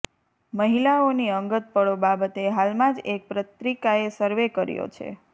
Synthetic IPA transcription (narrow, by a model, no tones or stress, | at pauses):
məɦilaoniəŋɡət̪̚pəɽobabət̪eɦalmãd͡ʒek̚pɾət̪ɾikaesəɾʋekəɾjo̰t͡ʃʰḛ